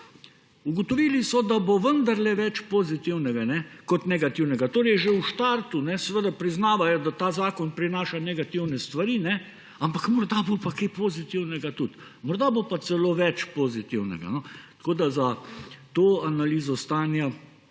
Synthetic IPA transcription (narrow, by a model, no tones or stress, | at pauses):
uɡɔt̪ɔʋiːlisɔd̪aboʋənd̪aɾlɛʋɛt͡ʃpozit̪iwnɛɡanɛkɔt̪nɛɡat̪iwnɛɡat̪oːɾɛjʒeuʃt̪aɾt̪unɛsɛʋəd̪apɾiznaːʋajɔd̪at̪aːzaːkɔnpɾinaːʃanɛɡat̪iwnɛst̪ʋaɾiːnɛ | ampakmɔɾd̪abopakepoːzit̪iwnɛɡat̪ut̪ | mɔɾd̪abopat̪sɛloʋɛt͡ʃpozit̪iwnɛ̰ɡa̰nɔt̪koːd̪azat̪oːanaliːzɔst̪aːnja